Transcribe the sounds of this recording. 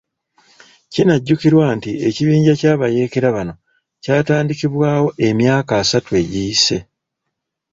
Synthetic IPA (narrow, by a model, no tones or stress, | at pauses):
cinaɟːukiɾwaːntie̞ciβiːɲɟacaːβaje̞ːke̞ɾaβano̞ | caːtaːndikiβwaːwo̞ʔe̞mjaːkaːsatue̞ɟijise̞